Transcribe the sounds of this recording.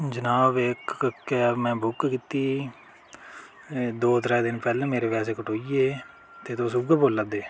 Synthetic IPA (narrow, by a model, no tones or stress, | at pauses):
d͡ʒənaːbɪkkemɛ̃ːbʊkkiːt̪iː | d̪oːt̪əɾɛːd̪ɪnpɛːlãːmeːɾeːpɛːs̬eːkəʈʰoːiːeː | t̪eːt̪oːsʊɡboːlːəd̪eː